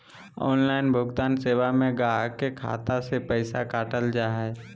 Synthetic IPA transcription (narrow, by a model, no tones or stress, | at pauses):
ɔ̰ːnlaːɪnbʱʊɡt̪aːnseːʋamẽɡaːɦkekʰa̰ːt̪asepəɪsakaːʈəld͡ʒaːɦɛː